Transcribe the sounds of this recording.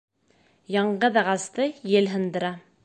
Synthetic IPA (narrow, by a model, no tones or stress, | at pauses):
jɑɴɢɤðɑʁɑst̪ɤjɘlɦɤ̆nd̪ɤ̆ɾɑ